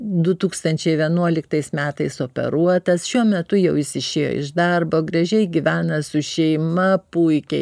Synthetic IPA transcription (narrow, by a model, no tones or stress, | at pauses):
d̪ʊt̪uːkst̪ɐnʲt͡ʃʲɛɪʋʲiɛnuɔlʲɪkt̪ɐɪsmʲæːt̪ɐɪsoːpʲɛ̰ɾuɔt̪ɐsʃʲuɔmʲɛt̪ʊjɛʊɪʃsʲɪʃʲeːjo̰ɪ̰ʒd̪ɐrboːɡɾɐʒʲɛɪɡʲiʋʲæːnɐsʊʃʲɛɪmɐpuɪkʲɛ